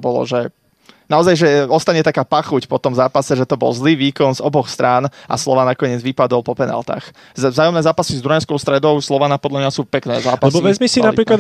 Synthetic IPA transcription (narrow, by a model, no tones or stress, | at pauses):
bɔlɔ̰ʒɛ | naɔzajʒɛɔst̪aɲɛt̪akaːpaxucpɔt̪ɔmzaːpasɛʒɛt̪ɔbɔ̰lˠzliːʋiːkɔnzɔbɔxst̪ɾʔaːnʔa̰slɔʋanakɔɲɪɛd͡zʋipad̪ɔlpɔpɛna̰lt̪a̰ːx | vzaːjɔmnɛːzaːpasizd̪ɾuɛ̃skɔʊst̪ɾɛd̪ɔʊslɔʋanaːpɔd̪lamɲasuːpɛknɛ̰ːzaːpalɛsbɔʋɛzmisinnapɾiːklad̪